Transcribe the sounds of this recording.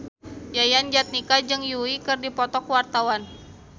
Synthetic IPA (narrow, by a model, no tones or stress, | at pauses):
jajand͡ʒat̪̚nikad͡ʒɨŋjuikɨrdipɔt̪ɔkwart̪awan